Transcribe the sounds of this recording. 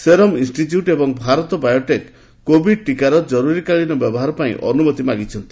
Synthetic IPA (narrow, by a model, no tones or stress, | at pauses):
seɾɔminsʈit̪juʈebɔŋbʱaɾɔt̪ɔbajoʈekː | obiɖʈikaɾɔd͡ʒɔɾuɾikaɭinɔbjɔbɔɦaɾɔpaḭ̃ʔɔnumɔt̪imaɡit͡ʃʰɔnt̪i̥